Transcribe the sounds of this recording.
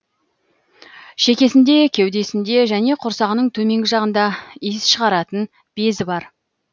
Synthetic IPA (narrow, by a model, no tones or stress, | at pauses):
ʃekʲe̞sɪnd̪e̞kʲʰewd̪e̞sɪnd̪e̞ʒæne̞qʰʊɾsɑʁənəɴt̪ʰɵme̞ŋɡʲɪʒɑʁənd̪ɑisʃəʁɑɾɑt̪ən | b̥e̞zɪbɑɾ